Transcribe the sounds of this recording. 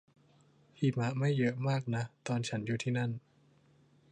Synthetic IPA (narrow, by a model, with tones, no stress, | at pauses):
hʰi˨˩ma˦˥ʔma˥˩jːɤ˦˥ʔmaː˥˩k̚na˦˥t̪ɔː˧nt͡ɕʰa˦˥njuː˨˩t̪ʰiː˥˩na˥˩n